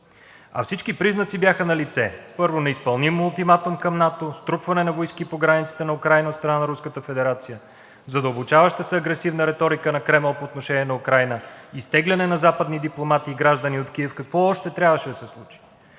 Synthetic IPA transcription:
ɐ̰fsit͡ʃkipɾiznɐt̪sibjaxənɐlit̪sɛpɤɾvonɛispɐlˠnimʊlˠt̪imat̪ʊmkɐmnat̪ost̪ɾupvɐnɛnɐvojskipoɡɾanit̪si̥t̪ɛnɐukɾajnɐot̪st̪ɾɐnanɐɾuskət̪əfɛd̪ɛɾat̪sijə | zɐd̪əlˠbot͡ʃavəʃt̪əsɛɐɡɾɛsivnəɾɛt̪ɔɾikənɐkɾɛmɛlˠpoːt̪noʃɛnʲiɛnɐukɾajnəist̪ɛɡlʲɐnɛnɐzapəd̪nid̪iplˠomat̪iːɡɾaʒd̪əniot̪kiɛfkɐkvɔɔʃt̪ɛt̪ɾʲavəʃɛd̪ɐsɛslˠut͡ʃi̥

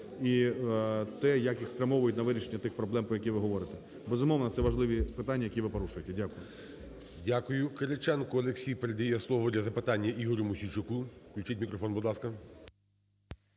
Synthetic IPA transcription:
i | t̪ɛjɐkjixspɾʲɐmɔʋʊjʊtʲnɐʋɪɾʲiʃenʲːɐt̪ɪxpɾɔblˠɛmpɾɔjɐk̬ʲijʋɪɦɔʋɔɾet̪ɛ | bezʊmɔʋnɐt̪sɛʋɐʒlˠɪʋʲipɪt̪ɑnʲːɐjɐkʲiʋɪpɔɾuʃʊjet̪ɛdʲakʊjʊ | dʲakʊjʊkeɾet͡ʃɛnkʊɐlˠeksʲijpeɾed̪ɐjɛslˠɔʋɔd̪ʲlʲɐzɐpɪt̪ɑnʲːɐʔiɦɔɾʲʊmʊsʲit͡ʃʊkuklʲʊt͡ʃɪtʲmʲikɾɔfɔnbʊd̪lˠɑskɐ

